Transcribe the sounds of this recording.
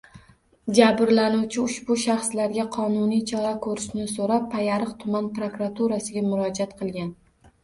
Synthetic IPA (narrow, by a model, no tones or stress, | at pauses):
d͡ʒabɾlanuwt͡ʃʰɪʊʃbʊʃaχslaɾɡʲaqʰɒnʊnijt͡ʃʰɒɾakʰɵɾɪʃnɪsoɾapʰːajaɾɨqt̪ʰʊmanpɾokɾat̪ʰuɾasɪɡʲamʊɾɒd͡ʒat̪qʰɨlˠɡʲan